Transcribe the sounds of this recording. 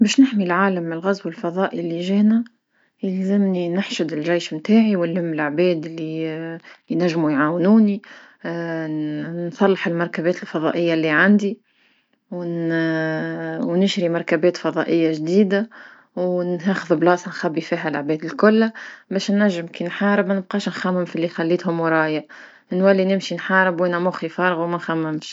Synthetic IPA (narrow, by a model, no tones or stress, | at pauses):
bɛːʃnɪħmilʕaːləmːɪnəlɣazwɪlfɑðˤɑːʔilːiʒɛːnæ | jɪlzɪmninaħʃʊd̪ɪlʒijːʃmt̪aːʕiwɪllɪmːɪlʕbɛːd̪ɪlːi | næʒːmujʕaːwnuːni | nsˤɑlːɑħɪlmɑɾˤkabɛːt̪ɪlfɑðˤɑ̰ːʔəjːalːiʕand̪i | wn | wnɪʃɾimɑɾˤkæbɛːt̪fɑðˤɑːʔəjːaʒd̪iːd̪a | wnɦæxəðblɑːsˤnxæbːifiːɦælaʕbɛːd̪ɪlkʊlːbɛːʃnːæʒːɪmkinħɑːɾəbmænəb̚qɑːʃnxæmːɪmfilːixælːiːt̪hʊmwɾˤɑːjaʔ | ʔɪnwælːinɪmʃinħɑːɾəbwʔænæmʊxifɑːɾˤɣumænxæmːæmʃ